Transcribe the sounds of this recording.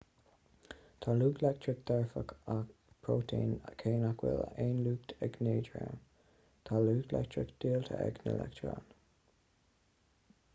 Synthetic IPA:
t̪ʰaluːɡlɛk̚tʰɹɪk̚d̪̥ɛɹfəkʰa | pʰɹoːtʰiːnkʰeːnakʰwɪ̰lə̰eːnluːkt̪ʰɛɡneːd͡ʒɹə̰m | t̪ʰaluːɡlɛ̰k̚tɹɪkd̪̥iːlt̪ʰəɛ̰ɡnə̰lʔɛ̰ktʰɹa̰n

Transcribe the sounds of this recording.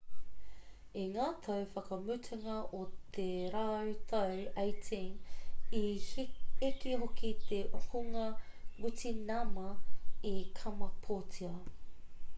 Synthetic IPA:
eŋaːt̪ʰɐwfɐkɐmʉtʰaŋɐʔot̪ʰeɾaːʉt̪ʰɐwejtʰiŋi | ikiɦokit̪eʔohuŋɐ | wutinɐmɐekʰɐmɐpʰoːtiɐ

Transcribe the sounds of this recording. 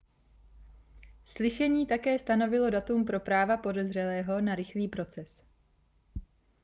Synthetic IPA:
slɪʃɛɲiːt̪akɛːst̪ano̞vɪlo̞dat̪umpɾo̞pɾaːvapo̞dɛzr̝ɛlɛːɦo̞naɾɪxliːpɾo̞t͡sɛs

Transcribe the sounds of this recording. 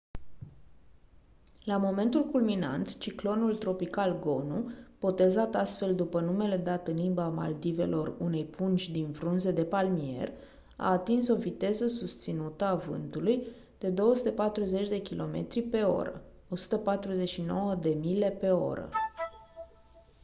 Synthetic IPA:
lamo̞me̞nt̪ulkulmina̰nt̪t͡ʃiklo̞nult̪ɾo̞pikalɡo̞nub̥o̞t̪e̞zat̪ast̪fe̞ld̪upənume̞le̞d̪at̪ɨnlimbama̰ld̪ive̞̰lʔo̞rune̞jpunt͡ʃʲd̪invɾunze̞d̪e̞palmie̞̰r | a̰ːt̪inso̞vit̪e̞zəs̬ust̪sinut̪əavɨ̰nt̪uluj | d̪̥e̞d̪o̞wəsut̪e̞pat̪ɾuze̞t͡ʃʲd̪e̞kʲilʔo̞me̞̰t̪ɾipe̞o̞̰ɾə̰ | o̞su̥t̪əpat̪ɾuze̞ʃino̞wəd̪e̞mile̞pe̞o̞̰ɾə̰

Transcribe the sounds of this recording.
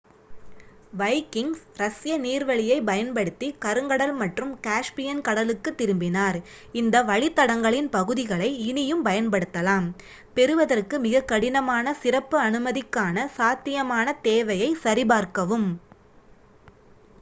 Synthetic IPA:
ʋɐɪkɪŋsɾɐsɪjɐniːɾʋɐɭɪjɐɪpɐjɐnpɐɽɯt̪ːikɐɾɯŋɡɐɽɐlmɐʈrɯmkaːʂpɪjɐnkɐɽɐlɯkːɯt̪ːɪɾɯmbɪnaːɾ | ɪnd̪ɐʋɐɭɪt̪ːɐɽɐŋɡɐɭɪnpɐɣɯðɪɣɐɭɐɪɪnɪjɯmpɐjɐnpɐɽɯt̪ːɐlaːm | pɛɾɯʋɐðɐrkɯmɪɣɐkːɐɽɪnɐmaːnɐsɪrɐpːɯɐnɯmɐðɪkːaːnɐsaːt̪ːɪjɐmaːnɐt̪eːʋɐjɐɪsɐɾɪbaːɾkɐʋɯm

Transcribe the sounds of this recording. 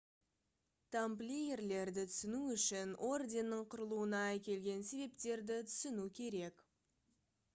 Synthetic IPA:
t̪ʰamplʲejerle̞ɾd̪ɪt̪ʰʏ̥sɪnuʏʃɪnʔo̞rd̪ʲe̞nːəɴqʰʊɾəlˠuənɑækʲe̞lɡʲe̞nse̞βe̞pt̪e̞ɾd̪ɪt̪ʰʏ̥sɪnukʲʰe̞ɾe̞k

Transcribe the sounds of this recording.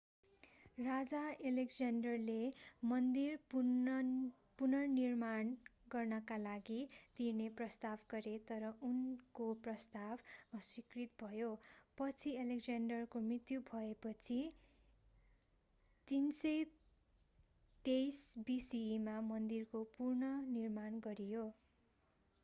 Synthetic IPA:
rad͡zaelekd͡zanɖʌrlemʌnd̪ir | punʌnirmanɡʌrnʌkalaɡit̪irneprʌst̪abɡʌɾet̪ʌɾʌʔunkoprʌst̪abʌswikrit̪̚bʱʌjopʌt͡sʰielekd͡zanɖʌrkomrit̪jubʱʌepʌt͡sʰi | t̪insʌj | ʈejsbisimamʌnd̪irkopurnʌnirmanɡʌɾijo

